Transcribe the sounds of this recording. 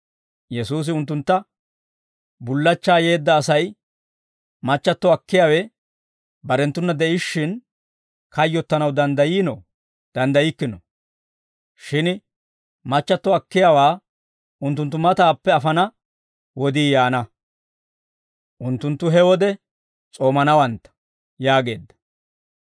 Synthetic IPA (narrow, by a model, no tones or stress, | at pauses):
jɛsuːs̬ɪʊnt̪̬ːʊnt̪ːɐ | bʊlːɐt͡ʃːaːje̞ːd̪ːɐːsɐj | mɐt͡ʃːɐt̪ːɔɐkːɪjaːwɛ | bɐɾɛnt̪ːʊnːɐd̪ɛʔɪʃːɪn | kɐjːɔt̪ːɐnɐwd̪ɐnd̪ɐjiːnɔ | d̪̥ɐnd̪ɐjɪkːɪnɔ | ʃɪn | mɐt͡ʃːɐt̪ːɔɐkːɪjaːwaː | ʔʊnt̪ːʊnt̪ːʊmɐt̪aːpːɛɐfɐnɐ | wɔd̪iːjaːnɐ | ʔʊnt̪ːʊnt̪ːʊɦɛwɔd̪ɛ | t͡sʼo̞ːmɐnɐwɐnt̪ːɐ̥ | jaːɡe̞ːd̪ːɐ̥